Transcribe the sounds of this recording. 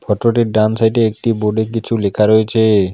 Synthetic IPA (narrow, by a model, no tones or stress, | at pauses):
fʰɔʈɾoʈiɾɖansajʈeek̚ʈiboɖekit͡ɕʰulekʰaɾojet͡ɕʰe